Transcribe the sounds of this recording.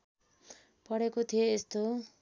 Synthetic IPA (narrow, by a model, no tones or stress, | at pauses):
pʌɽekot̪ʰijeest̪o